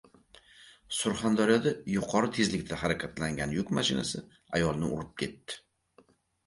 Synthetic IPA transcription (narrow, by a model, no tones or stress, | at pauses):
sʊɾχand̪aɾjɒd̪ajʊqʰɒɾɨt̪ʰe̞zlɪkʲt̪ʰahaɾakʲʰat̪laŋɡʲanjʊkʲmaʃɪna̰sɪ | ajɒlˠnɪʊ̰ɾɪp̚kʲʰe̞t̪ːɪ̥